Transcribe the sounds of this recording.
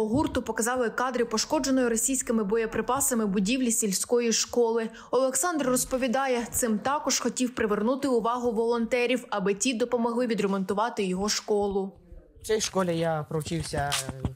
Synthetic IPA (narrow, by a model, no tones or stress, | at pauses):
ɔɦurt̪ʊpɔkɐzɑlˠɪkɑd̪ɾɪpɔʃkɔd͡ʒenɔjʊɾɔsʲijsʲkɪmɪbɔjɐpɾɪpɑsɐmɪbʊdʲiwlʲisʲilʲsʲkɔjiʃkɔlˠɪ | ɔlˠeksɑnd̪rrɔspɔʋʲid̪ɑjɛt̪sɪmt̪ɑkɔʒ̥xɔtʲiwpɾɪʋernut̪ɪʊʋɑɦʊʋɔlˠɔnt̪ɛɾʲiwɐbɪtʲid̪ɔpɔmɔɦlˠɪʋʲid̪ɾemɔnt̪ʊʋɑt̪ɪjɔɦɔʃkɔlˠʊ | t͡ʃɛjʃkɔlʲɛjapɾɔwt͡ʃiwsʲɐ